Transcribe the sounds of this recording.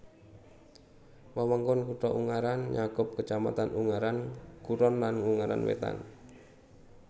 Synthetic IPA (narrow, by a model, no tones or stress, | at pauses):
wawaŋkʊnkuʈɔʔuŋaɾanɲakʊp̚kət͡ʃama̰t̪anuŋaɾankuɾɔnlanuŋaɾa̰nwḛt̪a̰n